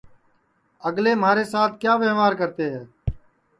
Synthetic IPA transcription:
əɡleːm̤aːɾeːsaːt̪ʰkjaːʋeːʋaːɾkəɾt̪eːɦɛː

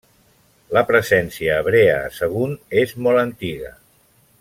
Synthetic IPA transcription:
ləpɾəzɛnsiəːβɾeəsəɣ̞unezmɔlənt̪iɣə̰

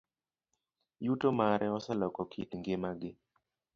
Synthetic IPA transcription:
jutomaɾʔɛɔsɛlɔkɔkʰitŋɡɪmaɡɪ

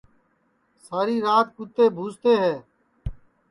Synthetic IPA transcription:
saːɾiːɾaːt̪̚kʊt̪eːbʱuːst̪eːɦɛː

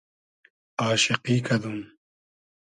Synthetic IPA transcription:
aːʃiqiːkɐd̪um

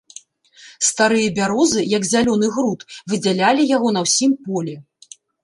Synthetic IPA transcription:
st̪aɾɨjɐbʲaɾɔzɨjɐɡzʲalʲɔnɨɣɾut̪vɨd͡zʲalʲalʲijaɣɔn̪ɐwsʲimpɔlʲɛ

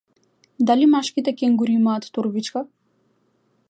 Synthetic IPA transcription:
d̪alimaʃkit̪ɛkʲɛŋɡuɾimaːt̪ːuɾbit͡ʃka

